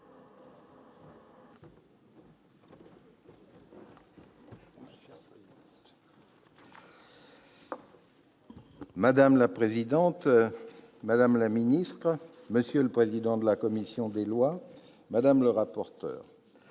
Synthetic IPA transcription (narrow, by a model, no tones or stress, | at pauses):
mad̪amlapχezid̪ɑ̃t̪ | mad̪amlaminist̪χ | məsjøləpχezid̪ɑ̃d̪əlakɔmisjɔ̃d̪elwa | mad̪amləʁapɔʁt̪œ̰ːʁ